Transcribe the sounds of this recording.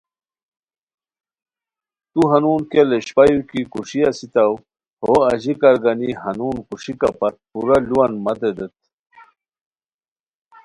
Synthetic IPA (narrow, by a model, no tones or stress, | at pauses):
t̪uɦɐnuːnkeleɕpajukikuʂiasit̪aw | hoɐʑikɐɾɡanihɐnuːnkuʂikapɐt̪̚puɾaluwɐnmɐd̪ed̪et̪̚